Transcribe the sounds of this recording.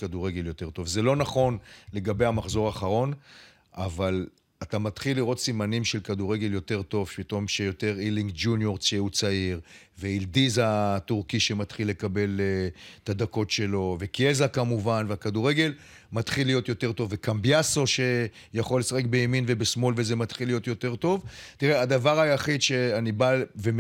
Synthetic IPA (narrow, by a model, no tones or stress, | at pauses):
kaduʁe̞ɡe̞ljo̞te̞ʁto̞vzelo̞naχo̞nle̞ɡabe̞jamaχzo̞ʁaːχaʁo̞n | ʔaval | atamat̪χilːiʁo̞tsimanimʃe̞lkaduʁe̞ɡe̞ljo̞te̞ʁto̞vpit̪o̞mʃejo̞te̞ʁiliŋɡd͡ʒunjo̞ʁʃeut͡saiʁ | veildizatuʁkiʃematχilːe̞kabe̞let̪ad̪ako̞tʃe̞lo̞ve̞kiezakamuvanveakaduʁe̞ɡe̞l | mat̪χilːijo̞t̪jo̞te̞ʁt̪o̞vːekambjaso̞ʃe̞ | jaχo̞lːesaχek̚bejeminve̞besmo̞lvezemat̪χilijo̞t̪jo̞te̞ʁto̞vtiʁead̪avaʁajaχid̪ʃe̞anibave